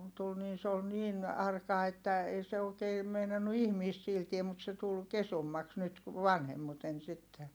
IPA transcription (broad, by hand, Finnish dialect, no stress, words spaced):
tul niːn se ol niːn ɑrkɑ etːæ ei se oːkeː meinɑnːu ihmiːst siːltie mut se tul kesumːɑks nyt ʋɑnhemːuten sitːe